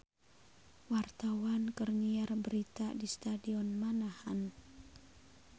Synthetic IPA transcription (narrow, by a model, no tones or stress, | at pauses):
wart̪awankərŋiarbəɾit̪adist̪adiɔnmanahan